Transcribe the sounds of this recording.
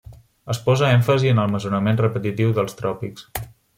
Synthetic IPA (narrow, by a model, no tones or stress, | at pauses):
əspɔzəɛɱfəziənəlˠməzunəmenrəpət̪it̪iwðəlˠst̪ɾɔpiks